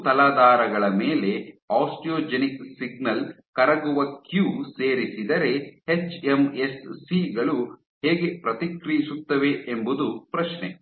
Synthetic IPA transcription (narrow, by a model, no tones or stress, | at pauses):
t̪ɐlaːd̪aːɾɐɡɐɭɐmeːle̞aːsʈijoːd͡ʒeniksiɡnɐl | kɐɾɐɡuʋɐkjuːseːɾisid̪ɐɾe̞het͡ʃemesːiɡɐɭu | heːɡe̞pɾɐt̪ikɾijisut̪ːɐʋe̞embud̪upɾɐʃnḛ